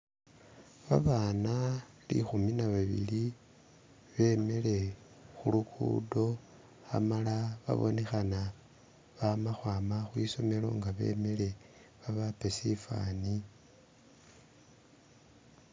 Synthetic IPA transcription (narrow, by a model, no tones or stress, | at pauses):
βaβaːna | lḭxuminaβaβḭli | βe̞me̞le̞ | xulukʰṵdo̞ | a̰malaβa̰βo̞̰ne̞xana | βamaxwaːmaxwiso̞me̞lo̞̰ŋɡaβe̞̰ːme̞le̞ | βaβapesifa̰ni